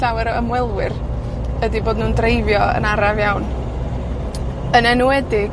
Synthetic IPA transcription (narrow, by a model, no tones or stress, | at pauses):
awɛɾəmwɛlˠwɪr | ədiboːdnuːndrejvjɔə̰naɾavjawn | ənɛnuɛdɪɡ